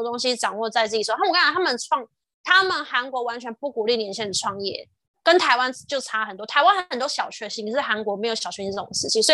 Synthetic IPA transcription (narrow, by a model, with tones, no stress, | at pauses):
t̪o˥ŋɕi˥ʈ͡ʂɑ˨˩ŋwɔ˥˧t͡sa˥˧ɪt͡sɹ̩˥˩t͡ɕ̪ʰt̪ʰa˥mə˨nʈ͡ʂʰwɑ˥˧ŋ | t̪ʰa˥mə˨nxa˧˥nkwɔ˧˥wa˧˥nt͡ɕʰɥɛ˧˥npu˥˩ku˨˩li˥˩njɛ˧˥nɕjɛ˥˩nd̪ə˩ʈ͡ʂʰwɑ˥˧ŋjɛ̰˥˩ | kə˥nt̪ʰa˧˥ɪwa˥˦nt͡ɕjo˥˩ʊʈ͡ʂʰa˥˩ə˨˩nt̪wɔ˥t̪ʰa˧˥ɪwa˥nxə˨ə˨˩nt̪wɔ˥ɕjɑ˨˩ʊt͡ɕʰɥɛ˥˧ɕi˥˧ŋi˥˩ʂɻ̩˥˩xa˧˥nkwɔ˧˥me˧˥ɪjo˧˩˥ɕjɑ˨˩ʊɕɛ˥˧˥ʊ˨˩ŋʂɻ̩˥˩t͡ɕʰi˨˩sw